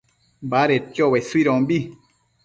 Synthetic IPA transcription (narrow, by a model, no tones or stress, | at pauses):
baɾet̪joβesuiɾõmbi